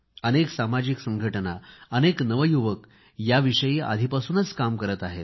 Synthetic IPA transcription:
əneksamad͡ʑiksəŋɡʱəʈənaəneknəʋəjuʋək | jaʋiʂəjiːa̰d̪ʱipasuːnət͡skamkəɾət̪aɦe

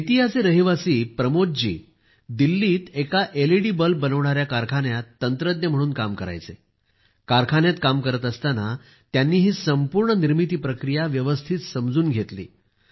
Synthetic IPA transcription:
it̪iɦaseɾəɦiʋasiːpɾəmoʈ̚d͡ʑḭː | d̪ilːiːt̪ekaʔeliɽiːbəlp̚bənəʋɳaɾjakaɾkʰanjat̪ːənt̪ɾəd̪njəm̤əɽuːnkamkəɾa̰jt͡se | kaɾkʰaɳjat̪kamkəɾət̪əst̪ana | t̪janːiːɦiːsəmpuːɾɳəniɾmit̪̬iːpɾəkɾijaʋjəʋəst̪ʰit̪səmd͡zuːnɡʱet̪lḭː

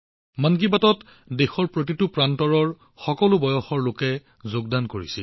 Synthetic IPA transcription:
mank̬ibatɔt | dexɔɹpɹot̬itʊpɹantɔɹɔɹ | xɔkɔlʊbɔjɔxɔɹlokɛ | zoɡ̚dankoɹisi

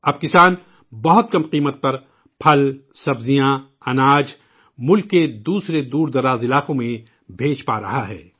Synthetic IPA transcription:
ɐb̚kɪsaːn | bɐɦʊt̪̚kɐmqiːmət̪̚pɐɾ | pʰɐlsɐbzijã | ɐnaːd͡ʒ | mʊlkːed̪uːsɾed̪uːɾd̪ɐɾaːzɪlaːqõmẽ | bʱeːd͡ʒpa̰ːɾɐ̰ɦaɦɛ̰ː

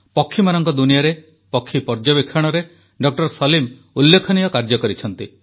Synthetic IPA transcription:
pɔkʰːimanɔŋkɔd̪unijaɾe | pɔkʰːipɔɾd͡ʒɔbikʰːaɽ̃ɔɾe | ɖɔk̚ʈɔɾsɔlim | ulːekʰɔnijɔkaɾd͡ʒɔkɔɾit͡ʃʰɔnt̪i

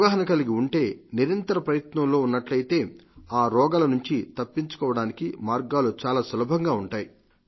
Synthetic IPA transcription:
ɡaːɦɐnɐkɐliɡiuɳʈe̞ːniɾɐnt̪ɐɾɐpɾɐjɐt̪nɐmlo̞ːunːɐʈlɐjit̪e̞ːaːɾɔːɡaːlɐnuɲt͡ʃit̪ɐpːiɲt͡ʃu̥kɔːʋɐɽaːnikimaːɾɡaːlut͡ʃaːlaːsɐlɐbʱɐŋɡaːuɳʈaːji

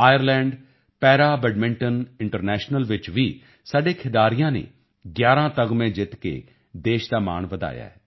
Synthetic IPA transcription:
aːjəɾlɛ̃ːɳɖ | pɛːɾaːbɛɖmɪ̃ɳʈənɪ̃ɳʈəɾnɛːʃnəlʋɪt͡ʃʋiː | saɖekʰɪd̪aːɾijãːnḛː | ɡjaːɾãːt̪ɐɡmẽd͡ʒɪt̪kḛ | d̪eːʃd̪aːma̰ːɳʋɐd̪a̰ːja̰ːɦɛː

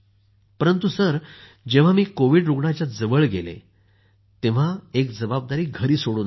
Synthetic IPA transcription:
pəɾənt̪usəɾ | d͡ʑeʋ̤amiːkoʋiːɖɾuɡɳat͡ɕjad͡zəʋəɭɡelḛ | t̪ẽʋ̤aekd͡zəbab̚d̪aɾiːɡʱəɾiːsoɽuːn

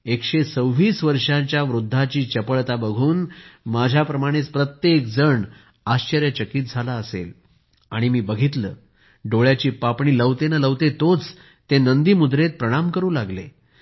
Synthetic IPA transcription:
ekɕet͡səwʋiːsʋəɾʂãɲt͡ɕjaʋɾud̪ʱːat͡ɕiːt͡ɕəpəɭt̪abəɡʱuːnmad͡ʑʱjapɾəmaɽ̃et͡spɾət̪jekd͡zəɳ | aɕt͡ɕəɾjət͡ɕəkiːt̪̚d͡zʱalaəsḛl | aɽ̃imiːbəɡʱit̪ləː | ɖoɭjat͡ɕiːpapɳiːləʋt̪enələʋt̪et̪ot͡s | t̪enənd̪iːmud̪ɾet̪̚pɾəɽ̃amkəɾuːlaɡle

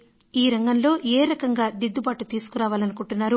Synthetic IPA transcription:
iːɾɐŋɡɐnlo̞ːʔeːɾɐkɐŋɡaːd̪id̪ːubaːʈut̪iːsu̥kuɾaːʋaːlɐnukuɳʈunːaːɾu

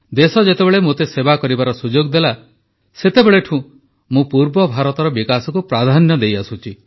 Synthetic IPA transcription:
d̪esɔd͡ʒet̪ebeɭemot̪esebakɔɾibaɾɔsud͡ʒoɡd̪ela | set̪ebeɭeʈʰũ | mũpuɾbɔbʱaɾɔt̪ɔɾɔbikasɔkupɾad̪ʱanjɔd̪ejasũt͡ʃʰi

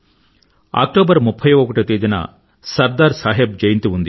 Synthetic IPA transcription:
a̰ːk̚ʈoːbɐɾmupʰːɐjɔkɐʈit̪iːd̪inɐ̰ | sɐɾd̪aːɾsaːɦeb̚d͡ʒɐjint̪iund̪i

